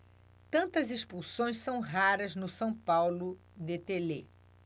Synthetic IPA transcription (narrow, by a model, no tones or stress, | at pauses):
t̪ɐ̃nt̪ɐzespulsõj̃ssɐ̃w̃ɦaɾɐznʊsɐ̃w̃pawlʊ | d̪et̪elḛ